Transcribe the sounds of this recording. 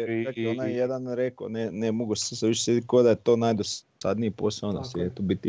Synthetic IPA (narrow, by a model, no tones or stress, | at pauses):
eakonajjed̪anɾeko̰nenemoɡusseseʋiʃsed̪ikod̪ajet̪oːnajd̪ossad̪niiposeona̰seet̪obit̪i